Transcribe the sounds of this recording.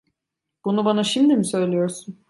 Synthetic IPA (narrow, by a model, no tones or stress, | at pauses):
b̥unubanaʃimd̪imisø̞jlʲijo̞ɾsun